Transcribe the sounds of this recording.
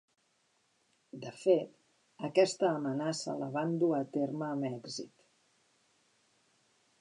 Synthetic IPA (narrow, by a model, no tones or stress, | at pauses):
d̪əfet̪ | əkɛst̪əːmənasə̰ləβand̪uət̪erməːmɛɡzḭt̪